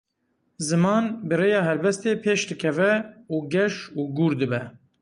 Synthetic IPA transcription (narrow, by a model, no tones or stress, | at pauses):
zɨmɑːnbɨreːjɑːɦɛlbɛst̪eːpʰeːʃd̪ɨkʰɛvɛuːɡɛʃuːɡuːɾd̪ɨbɛ